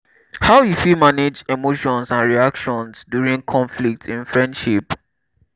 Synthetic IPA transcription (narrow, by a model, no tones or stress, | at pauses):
haʊjufilmaned͡ʒemoʃɔ̃nsãnɹiakʃɔ̃nsdjuɹĩŋkʰɔ̃nflik̚tʰĩnfɹɛ̃ndʃip